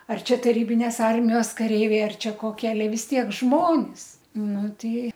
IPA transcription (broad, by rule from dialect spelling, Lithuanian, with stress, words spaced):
ɐr ˈt͡ʃʲɛ tɐˈrʲiːbʲɪnʲeːs ˈɐrʲmʲɪjoːs kɐˈrʲɛɪʋʲɛɪ ˈɐr ˈt͡ʃʲɛ koːˈkʲiɛ ɐˈlʲɛ ʋʲɪs ˈtʲiɛk ˈʒmoːnʲɪs nʊ ˈtɐɪ